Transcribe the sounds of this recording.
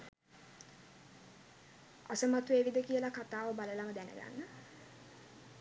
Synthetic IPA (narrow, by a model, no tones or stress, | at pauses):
asəmat̪uʋeːʋid̪əkijəlakat̪aːʋəbaləlaməd̪ænə̰ɡa̰nːə